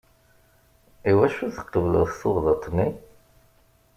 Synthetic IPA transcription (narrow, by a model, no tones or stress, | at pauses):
iwæʃuθə̥qːəvələ̰ðθoʁðət̪ˤːni